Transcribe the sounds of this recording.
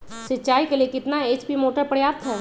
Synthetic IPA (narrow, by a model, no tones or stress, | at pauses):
ʃɪtːt͡ʃaːikelijekɪt̪naeːt͡ʃpimoːʈəɾpəɽjaːɾt̪ʰɛː